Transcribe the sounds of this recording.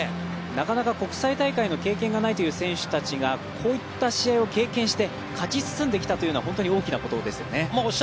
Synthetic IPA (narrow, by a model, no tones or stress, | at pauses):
nakanakako̞kɯ̟̥sait̪aikaino̞ke̞ːkẽ̞ŋɡanait̪o̞jɯ̟ːsẽ̞ɰ̃ɕɨ̥t̪at͡ɕiɡakʰo̞ːit̪ːaɕiaio̞ke̞ːkẽɰ̃ɕi̥t̪e̞ | kʰat͡ɕisɨ̥sɨ̃nd̪e̞kʲi̥t̪at̪o̞jɯ̟noaɦõ̞nt̪o̞ɲ̟io̞ːkʲinako̞t̪o̞d̪e̞sɨjo̞̰ne̞m